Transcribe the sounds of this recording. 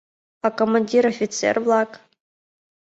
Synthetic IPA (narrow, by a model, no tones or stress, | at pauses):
akomanʲdʲiɾofʲit̪t͡sʰḛrblˠakʼ